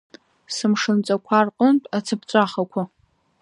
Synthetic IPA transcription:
sɨmʂɨnt͡sʼakʷʰarqʼəntʼat͡sʰɨp̚t͡sʷʼaχakʷʰa

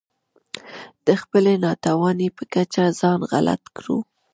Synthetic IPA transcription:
d̪̥əxpəlenɑt̪awɑnepəkat͡ʃazɑnɣa̰la̰t̪kɽṵ

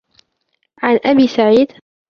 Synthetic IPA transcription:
ʕanʔabiːsaʕiːd̪

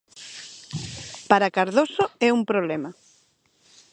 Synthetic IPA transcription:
paɾakaɾðosoɛuŋpɾoβlɛmɐ

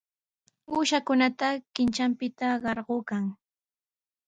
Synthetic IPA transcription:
uːʃakʊnat̪akɪnt͡ʃampɪt̪aɢɑɾɢoːkaŋ

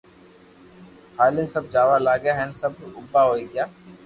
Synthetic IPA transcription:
haːlĩnsɐb̚d͡ʒaːʋalaːɡjaɦɛnsɐb̚ʊbːaɦoːiɡjaː

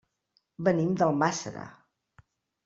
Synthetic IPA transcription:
bənimd̪əlˠmasə̰ɾə̰

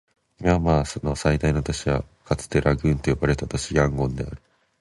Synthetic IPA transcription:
imamaːso̞no̞said̪aino̞t̪oɕiβa̰ | kat͡sɨ̥t̪e̞ɾʔaɡɯ̟̃nt̪o̞jobaɾe̞t̪at̪oɕiɡãŋɡõ̞nd̪e̞a̰ɾɯ̟

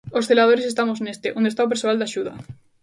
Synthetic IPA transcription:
osθe̞lað̞oɾesest̪amosnest̪eʔond̪et̪aop̬eɾsoald̪aʃuða̰

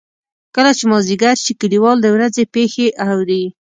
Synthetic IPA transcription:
kəlat͡ʃemɑziɡaɾʃikɪliwɑld̪əwɾazepexeʔawɾi

